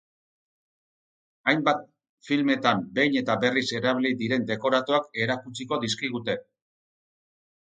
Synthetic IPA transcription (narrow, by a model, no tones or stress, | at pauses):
ajmbat̪̚ | filme̞t̪ambe̞jɲe̞t̪abe̞rise̞ɾaβlid̪iɾe̞nd̪e̞ko̞ɾat̪oake̞ɾakut͡siko̞d̪iskiɣ̞ut̪e̞